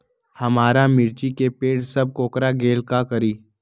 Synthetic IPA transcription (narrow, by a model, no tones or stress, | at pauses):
hɐmaːɾamɪɾt͡ʃikepeːʈsɐb̚koːkɾaɡeːlkakɐɾiː